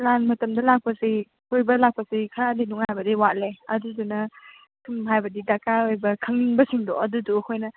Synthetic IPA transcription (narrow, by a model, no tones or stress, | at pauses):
lanmɐtɐmdɐlak̚pɐsi | ojbɐlak̚pɐsikʰɾadinuŋajbɐdiwat̚leɐduzunɐ | kʰɯmɦajbɐdidakaojbɐkʰɐŋbɐsiŋdɔɐduduɐkʰojnɐ